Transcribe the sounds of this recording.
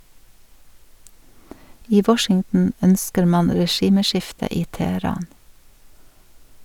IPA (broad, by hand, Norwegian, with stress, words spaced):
ˈiː ˈʋɔʃɪŋtn̩ ˈœnskəɾ ˈmɑn ɾɛˈʃiːməˌʃɪftə ˈiː tɛhəˈɾɑːn